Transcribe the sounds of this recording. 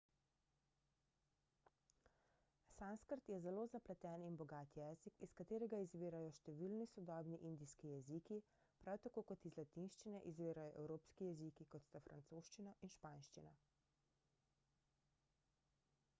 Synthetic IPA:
sanskəɾt̪jɛzɛloːzaplɛt̪ɛːninbɔɡaːt̪jɛːzikiskat̪eːɾɛɡaizʋeːɾajɔʃt̪ɛʋiːlnisɔd̪ɔːbniʔind̪iskijɛziki | pɾʔawt̪akoːkɔt̪izlat̪inʃt͡ʃinɛʔizʋeːɾajɔʔɛwɾoːpskijɛzikikɔt̪st̪afɾant̪soːʃt͡ʃinaʔinʃpaːnʃt͡ʃina

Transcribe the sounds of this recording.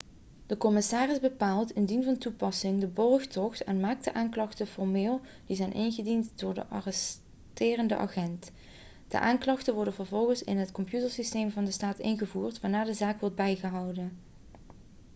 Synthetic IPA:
d̥əkɔmɪsaːrɪzbəpaːlˠtɪndinvɑntupɑsɪŋdəbɔrxtɔxtɛnmaːk̚dəʔaːnklɑχtəfɔɹmɪːlˠ | d̥izɛjnʔɪnɣədintdʊːɹdə̰ʔɑ̰rɛs | tɪːrəndə̰ʔɑ̰χɛnt | d̥ə̰ʔaːnklɑxtənʋɔɹdənvəɹvɔlˠɣənsɪ̰nɦətkɔmpjutəɹsistejmvɑndəstaːtɪ̰nɣəvuːrtʋaːɹnaːɹdəzaːkʋɔɹd̚bɛjɣəɦɑwdən

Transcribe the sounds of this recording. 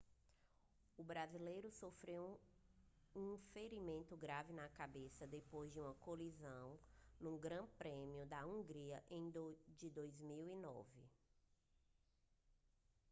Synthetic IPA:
ʊbɾazilejɾʊsofɾew | ũfeɾimẽnt̪ʊɡɾavɪnɐkabesɐd̪epojzd͡ʒɪũmɐkolizɐ̃w̃nũɡɾɐ̃pɾẽmiʊd̪ɐũɡɾiɐʔẽj̃d͡ʒɪd̪ojzmiwinɔ̰vɪ̰

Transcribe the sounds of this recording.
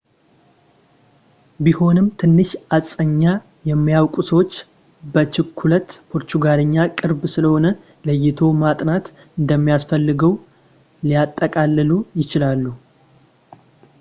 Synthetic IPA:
biho̞nɨmt̪ʰɨnːɨʃat͡sʼːəɲːa | jɛmːijawkʼusəwot͡ʃː | bət͡ʃɪkʰːulət̪pʰo̞ɾt̪uɡaləɲːakʼɨɾbsɨləho̞nə | ləjːɪt̪ʰo̞mat̪ʼnat̪ | ɨnd̪əmːijasfəlːɨɡəw | lijat̪ʼːəkʼalːɨlujɪt͡ʃɪlalːu

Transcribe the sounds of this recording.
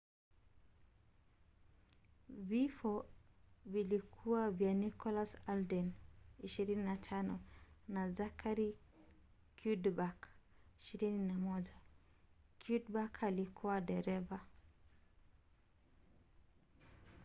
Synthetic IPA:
vifɔ | vilikʰuwavjanikɔlasaldɛniʃiɾininatʰanɔnazakʰaɾi | kjudbakiʃiɾininamɔʄa | kʰjudbakʰalikʰuwaɗɛɾɛva

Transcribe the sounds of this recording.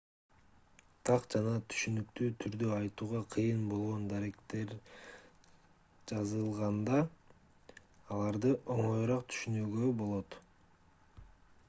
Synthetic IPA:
t̪ʰɑqd͡ʒɑnɑt̪ʰy̥ʃynykt̪yːt̪ʰyɾd̪øɑjt̪uːʁɑqʰɯjɯnbo̞lˠʁo̞nd̪aɾe̞kt̪e̞ɾ | d͡ʒɑzɯlˠʁɑnd̪ɑ | lˠɑɾd̪ɯʔo̞ɴojɾɑq̚t̪ʰy̥ʃynyːɡøbo̞lˠo̞t̪

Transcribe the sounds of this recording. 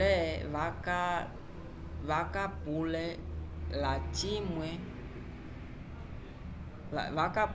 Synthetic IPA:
ɛvaka | vakapulɛlat͡ʃimwɛ | la̰vakap

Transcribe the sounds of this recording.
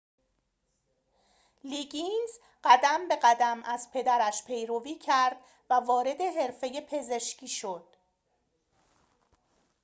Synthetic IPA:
liɡiz | ɢæd̪æmbe̞ɢæd̪æmæzpʰe̞d̪æɾæʃpʰe̞jɾoviːcʰæɾd̪̥ | vævɒːɾe̞d̪e̞ɦe̞ɾfe̞jepʰe̞ze̞ʃciːʃo̞d̪̥̚

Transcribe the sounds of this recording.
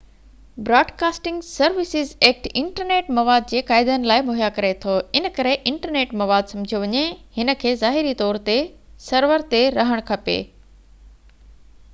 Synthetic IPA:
bɾaːɖkaːsʈɪ̃ŋɡsɐɾʋɪsɪzeːk̚ʈɪ̃ɳʈəɾneːʈmɐʋaːd̪̚d͡ʑeːkaːɪd̪ənɪlaːɪmoɦjakɐɾet̪ʰoɪnə̆kɐɾeʔɪ̃ɳʈəɾneːʈmɐʋaːd̪sɐ̃md͡ʑʱijoʋɐɲehɪnə̆kʰeːzaːɦɪɾit̪ɔːɾt̪esɐɾʋəɾt̪eɾɐɦəɽ̃kʰɐpḛː

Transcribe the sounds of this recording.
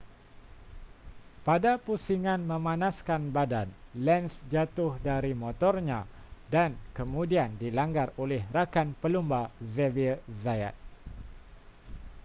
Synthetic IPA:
padapusiŋãnmə̃mãnaskanbadanlɛnsd͡ʒat̪ʊhdaɾimɔ̃t̪ɔrɲã | dankəmũdiandilaŋɡarolɛhrakanpəlumbazɛvizaja̰t̪̚

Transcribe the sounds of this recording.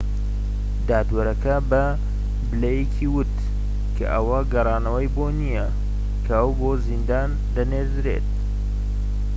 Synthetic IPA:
d̪aːt̪wɐɾɐkɐbɐ | bɨlɐjekʰiwʊt̪ | kʰɐ̰ʔɐwɐɡɐrˤɑːnɐwɐjboːnijɐ | kʰɐɐwboːzind̪aːn | d̪ɐneːɾzɾḛːt̪̚

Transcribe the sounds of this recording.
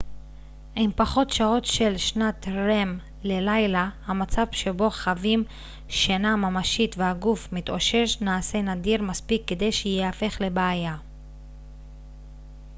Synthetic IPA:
ʔimpaχo̞tʃao̞tʃe̞lʃnat̪ʁem | le̞lajlahamat͡savʃe̞bo̞χavim | ʃanamamaʃit̪vehaɡufmit̪ʔo̞ʃe̞ʃnaːse̞nadiʁmaspikːed̪e̞jʃejeafe̞χle̞beaja

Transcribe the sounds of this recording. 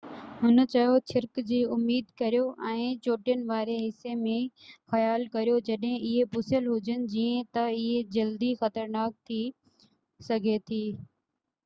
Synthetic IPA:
hʊnə̆t͡ɕɐjot͡ɕʰɪɾkd͡ʑiːʊmːiːd̪kɐɾjoʔɛ̃ːt͡ɕoːʈijənɪ̆ʋaːɾeɦɪsːemẽxɐjaːlkɐɾijod͡ʑɐɗɦɪ̃ɪɦepʊsəlɦʊd͡ʑənɪ̆d͡ʑiːə̃t̪ɐɪɦed͡ʑɐld̪ixɐt̪əɾnaːk̚t̪ʰiː | sɐɡʱet̪ʰiː

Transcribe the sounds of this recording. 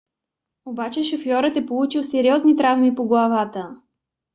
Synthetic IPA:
obat͡ʃɛʃofjɔɾət̪ɛpolˠut͡ʃilˠsɛɾiɔznit̪ɾavmipoɡlˠavat̪ə

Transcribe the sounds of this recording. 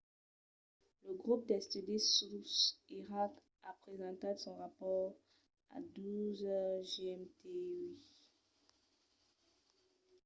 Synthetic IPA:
ləɡʁup̚d̪ɛst̪idisusiʁak | apχezɑ̃t̪asɔ̃ʁapɔʁ | a̰d̪uzʒeɛmt̪ei

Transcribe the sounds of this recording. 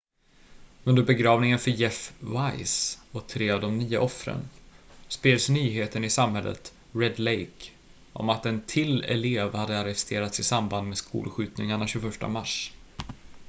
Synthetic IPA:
ɵnd̪əɾbɛɡɾɑːvnɪŋənfœɾjɛfvajsɔt̪ʰɾeːavd̪ɔmnyːa̰ʔɔfɾə̰nspeːlsnyːɦeːt̪ənɪsamhɛlːə̰t̪ | ɾɛd̪lɛjk | ʔɔ̰mat̪ɛnt̪ʰɪlːɛ̰leːvhad̪ːəaɾɛfst̪ʰeːɾat̪sɪsamband̪meskʰṵːlɧʉ̟ːt̪nɪŋaɳaɕɵːɡfœʂʈa̰maʂ

